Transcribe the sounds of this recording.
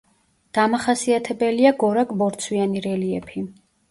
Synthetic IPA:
d̪̥amaχasiat̪ʰɛbɛliaɡɔɾakʼbɔɾt̪sʰwianiɾɛliɛpʰi

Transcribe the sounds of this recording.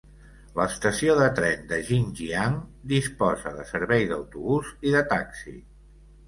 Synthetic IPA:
ləst̪əsioðət̪ɾɛnd̪əʒinʒiaŋd̪ispɔzəðəsəɾβɛjðəwt̪uβuziðət̪aksḭ

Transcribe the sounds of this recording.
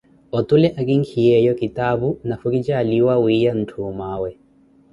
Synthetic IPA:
ɔtulɛʔakiŋkʰiɛjɔkitaβunafukit͡ʃaːliwawijan̩tʰumawɛ

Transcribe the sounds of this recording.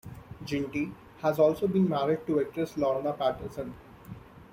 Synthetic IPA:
d͡ʒɪ̃ɳʈi | hæzɔːlsoːbĩːnmæɾɪɖ̚ʈuek̚ɾeslɔːɾnəpæʈəsə̃n

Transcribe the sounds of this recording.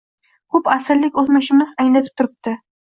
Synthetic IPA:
kʰʊpasɪɾlɪkʲot̪mɪʃɪmɪzaŋlat̪ʰɪ̥p̚t̪ʰʊɾɪp̚t̪ɪ

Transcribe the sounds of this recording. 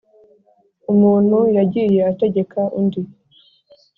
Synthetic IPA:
umuːn̥hujaɟije̞ate̞ɟe̞kʰaʔundi

